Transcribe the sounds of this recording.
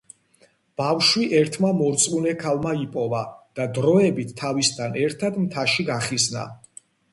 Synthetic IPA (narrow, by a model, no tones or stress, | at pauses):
b̥afʃwiʔɛɾt̪ʰmamɔɾt̪sʼunɛkʰalˠmaipʼɔvad̪̥ad̪ɾɔɛbit̪ʰːavist̪ʰanɛɾt̪ʰad̪mt̪ʰaʃiɡaχizna̰